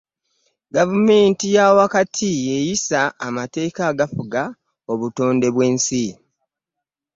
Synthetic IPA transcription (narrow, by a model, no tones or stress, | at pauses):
ɡavume̞ːntijawakatʰijejisaːmate̞ːkaɡafuɡa | o̞βuto̞ːnde̞βwe̞ːnsi